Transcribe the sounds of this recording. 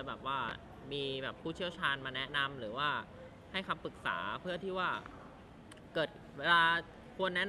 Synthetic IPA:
jbɛː˨˩p̚waː˥˩ | miː˧bɛː˨˩pʰːuː˥˩t͡ɕʰi˥˩əwt͡ɕʰaː˧nmaː˧nɛ˦˥na˧mɾɯː˩˦waː˥˩ | ha˥˩jka˧mpɯ˨˩k̚sa̰ː˩˦pʰɯ˥˩ət̪ʰiː˥˩waː˥˩ | kɤː˨˩t̪̚ | weː˧laː˧ | kʰu˧ənːɛ˦˥

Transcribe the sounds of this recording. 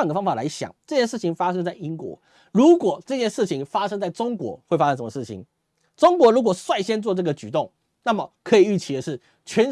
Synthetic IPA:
ŋɡə˩fɑ˥ŋfa˨˩la˧˥ɪɕjɑ̰˨˩˦ŋʈ͡ʂɤ˥˧t͡ɕjɛ˥˧nʂɻ̩˥˩t͡ɕʰi˨˧ŋfa˥ʂɤ˥ŋt͡sa˥˩ɪi˦˥ŋkwɔ̰˧˥˦ | ɻu˧˥kwɔ˨˩ʈ͡ʂɤ˥˧t͡ɕjɛ˥˧nʂɻ̩˥˩t͡ɕʰi˧˦ŋfa˥ʂɤ˥ŋt͡sa˥˩ɪʈ͡ʂʊ˥ŋkwɔ̰˧˥xwe˥˩ɪfa˥ʂə˥ʂə˧˥mə˧ʂɻ̩ʰ˥˩ḭ˨˩ŋ | ʈ͡ʂʊ˥ŋkwɔ˧˥ɻu˧˥k̬wɔ˨˩swa˥˩ɪɕjɛ˥nt͡swɔ˥˧˩ʈ͡ʂɤ˥˩ɡə˩t͡ɕy˨˩t̪ʊ˥˩ŋ | na˥˩mə˩kʰɤ˧˥i˨˩y˥˩t͡ɕʰi˨˩d̪ə˦ʂɻ̩˥˩ | t͡ɕʰɥɛ˧˥n

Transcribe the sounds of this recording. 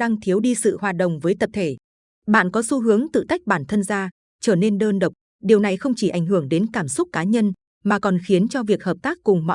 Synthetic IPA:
ɗaː˧ŋt̪ʰi˨˦əwɗi˧sɨ̰˧˨hwaː˨˩t̚ɗə̰˧˨wŋ͡mvəː˨˦jt̪ə˨˩p̚t̪ʰe˧˩ | ɓa̰ː˧˨nkɔ˨˦su˧˦ɦɨ˨˦əŋt̪ɨ̰˧˨t̪a˦˥jk̚ɓaː˧˩nt̪ʰə˧nzaː˧ | t͡ɕəː˧˩ne˧nɗəː˧nɗə˨˩wk͡p̚ | ɗi˨˩əwna˨˩jxə˧wŋ͡mt͡ɕi˧˩ʔa̰˧˩jŋ̟hɨ˧˩əŋɗe˨˦nkaː˧˩msʊ˦˥t̚kaː˨˦ɲə˧n | maː˨˩kɔ˨˩nxi˨˦ənt͡ɕɔ˧vi˨˩ək̚həː˨˩p̚t̪aː˦˥k̚ːʊ˨˩ŋ͡mmɔ̰˧

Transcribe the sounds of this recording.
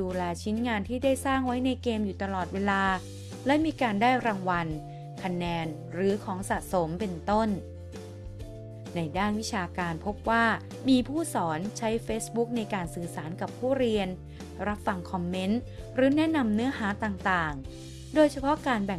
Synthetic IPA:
duː˧lɛː˧t͡ɕʰi˦˥nŋaː˧nt̪ʰiː˥˩daː˥˩jsaː˥˩ŋwa˦˥jna˧jkeː˧mjuː˨˩t̪a˧lɔː˨˩t̪̚weː˧laː˧ | lɛ˦˥miː˧kaː˧ndaː˥˩jɾaː˧ŋwa˧n | kʰa˧nɛː˧n | ɾɯː˩˦kʰɔː˩˦ŋsaː˨˩t̪̚so˩˦mpe˧nt̪o˥˩n | na˧jdaː˥˩nwi˦˥t͡ɕʰaː˧kaː˧npʰo˦˥p̚waː˥˩ | miː˧pʰuː˥˩sɔː˩˦nt͡ɕʰa˦˥jfeː˦˥sbu˦˥k̚na˧jkaː˧nsɯː˨˩saː˩˦nka˨˩pʰuː˥˩ɾi˧ən | ɾa˦˥p̚fa˧ŋkʰɔ˧mːe˦˥n | ɾɯː˨˦nɛ˦˥na˧mnɯ˦˥ɐɦaː˩˦t̪aː˨˩ŋt̪aː˨˩ŋ | doː˧jt͡ɕʰa˧pʰɔ˦˥kaː˧nbɛ˨˩

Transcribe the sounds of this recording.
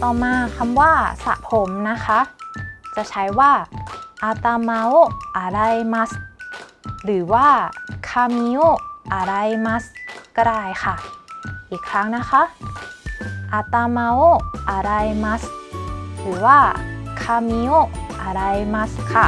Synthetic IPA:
t̪ɔː˨˩maː˧kʰa˧mwaː˥˩sa̰˨˩pʰo˨˩˦mna˦˥kʰa˦˥t͡ɕa˨˩t͡ɕʰa˦˥jwaː˥˩ʔa˧t̪aː˧ma˧˥wʔa˨˧˩ɾa˧jma˦˥s | ɾɯː˩˦waː˥˩kʰaː˧mi˧˦o˥˩ʔa˧˩ɾa˧jma˦˥ska˧ɾaː˧˩jkʰa˥˩ʔiː˨˩kʰɾa˦˥ŋna˦˥kʰa˦˥ʔ | ʔa˧˩t̪aː˧ma˧wʔa˧˩ɾa˧jma˦˥s | ɾɯː˩˦waː˥˩kʰaː˧mi˧o˥˩ʔa˧˩ɾa˧jma˦˥skʰa˥˩

